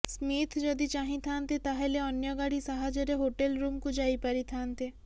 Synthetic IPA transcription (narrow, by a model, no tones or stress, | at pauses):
smit̪ʰd͡ʒɔd̪it͡ʃaɦĩt̪ʰant̪et̪aɦeleɔnjɔɡaɽisaɦad͡ʒɔɾeɦoʈelɾumkud͡ʒaipaɾit̪ʰant̪e